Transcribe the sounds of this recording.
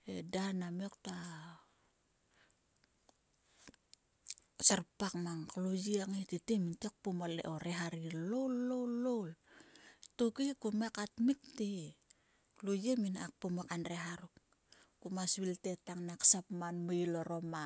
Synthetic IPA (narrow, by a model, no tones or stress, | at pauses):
edanamokta | saɾpakmaŋklojiaŋetitemintek̚pomalḛʔoɾeɦaɾilowlːowlːol | tukikumekatmik̚ti | lujeminak̚pomakanɾeɦaɾuk̚ | kumasβilte̞taŋnaksapmanmuiloɾo̞ma